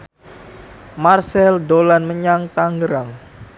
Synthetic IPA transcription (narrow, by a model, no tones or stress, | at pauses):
marsɛldolanməɲaŋt̪aŋɡəɾaŋ